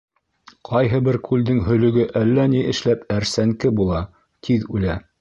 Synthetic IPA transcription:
qʰɑjɦɤbɘɾkʰʉld̪ɘŋɦɵ̆lɵ̆ɡɘʔælːæniʔɘ̆ʃlæpæɾsæŋkɘbulˠɑ | t̪ʰiðʉlæ

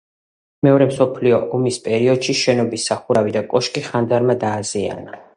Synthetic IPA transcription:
mɛɔɾɛmsɔpʰliɔʔɔmispʼɛɾiɔd̪̥ʃiʃɛnɔbisːaχuɾavid̪akʼɔʃkʼiχand̪aɾmad̪aːzia̰na

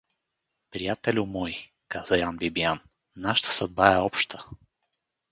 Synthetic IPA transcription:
pɾijat̪ɛlʲʊmɔj | kaz̥əjanbibijan | naʃə̥t̪ə̥sɐd̪̚baɛɔpʃt̪ʰə̥

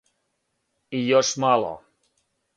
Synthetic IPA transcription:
ijɔʃmalɔ̰

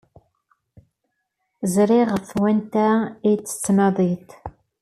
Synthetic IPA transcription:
zɾiʁəfwænt̪æit͡sːə̥t͡sːnɑðˤit̪

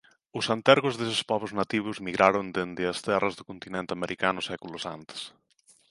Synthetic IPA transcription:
ʊsant̪ɛɾɣʊzðesɪ̥spɔβɾʊznat̪iβ̞ʊzmiɣɾʔaɾʊnd̪end̪ɪɐst̪ɛrɐzðʊkont̪inent̪ɪameɾʔikanʊsɛkulʊsant̪ɪ̥s

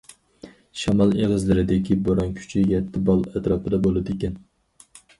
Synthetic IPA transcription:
ʃɑmɑlˠeʁəzlɪɾɪd̪ɪkʲʰiboɾɑnkʲʰy̥t͡ʃʰijɛt̪ʰːɪbɑlˠɛt̪ɾɑːpɨd̪ɑbolˠɨd̪ɪekʲɛn

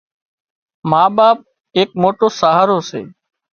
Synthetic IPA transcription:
maːɓaːp̚ | eːk̚moːʈoːsaːɦaːɾoːsḛː

